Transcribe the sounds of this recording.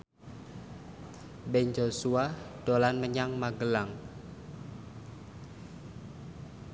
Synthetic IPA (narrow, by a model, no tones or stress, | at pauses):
bɛnd͡ʒosuad̥olanməɲaŋmaɡəlaŋ